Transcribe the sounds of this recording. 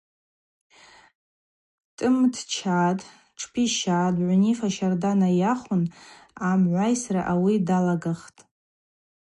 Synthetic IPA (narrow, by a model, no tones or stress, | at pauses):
tʼɨmtʰt͡ʃʰaːtʼ | ʈ͡ʂʰpʰiʃaːdʕʷʊnifaʃardanajaχʷʊnamʕʷajsraʔawidalaɡaχtʼ